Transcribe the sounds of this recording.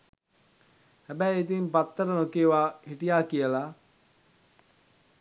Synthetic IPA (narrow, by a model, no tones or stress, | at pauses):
hæbɛjet̪̬impat̪ːəɾənokeːʋaːhiʈijaːkijəla